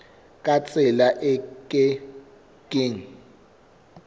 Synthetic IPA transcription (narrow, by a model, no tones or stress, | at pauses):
kʼat͡sʼɪlaʔɛkʼɛ | kʼiŋ̩